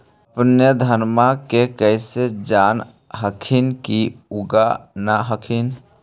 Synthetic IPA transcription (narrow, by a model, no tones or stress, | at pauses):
əpnjəd̪ʱənmakekəɪsed͡ʒan | ɦəkʰinkiuɡanaɦəkʰin